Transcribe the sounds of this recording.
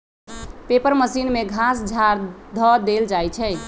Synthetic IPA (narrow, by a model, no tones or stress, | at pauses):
pepəɾməsinmeɡʱasd͡ʒʱaɾd̪ʱɔd̪eld͡ʒajt͡ʃʰɛ